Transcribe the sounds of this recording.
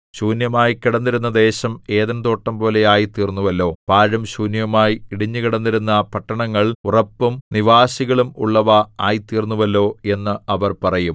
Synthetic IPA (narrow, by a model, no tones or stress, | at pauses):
ɕuːnjɐmaːjikiɽɐnːiɾunːɐd̪e̞ːɕɐme̞ːðɐnt̪o̞ːʈːɐmpo̞ːle̞aːjit̪ːiːrnːuʋɐlːo̞ːpaːɻɐmɕuːnjɐmaːjiiɽiɲːɨkiɽɐnːiɾunːɐpɐʈːɐɳɐŋːɐɭurɐpːumniʋaːɕiɣɐɭumṵɭːɐʋɐaːjit̪ːiːrnːuʋɐlːo̞ːe̞nːɨɐʋɐrpɐrɐjum